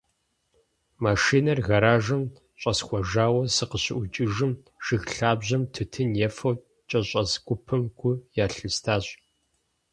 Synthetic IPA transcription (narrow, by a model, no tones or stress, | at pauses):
maːʃiːnɐrɣɐɾaːʒɨm | ɕʼɐsxʷɔʒaːwɐsɨqəɕɪ̰ʔʷʊt͡ʃʼɪʒɨm | ʒ̥ɨxɬaːbʑɐmtʰɨtʰɨnjɛfɐw | t͡ʃʼɐɕʼɐsɡʷʊpʰɨmɡʷʊjaːɬɨstʰaːɕʼ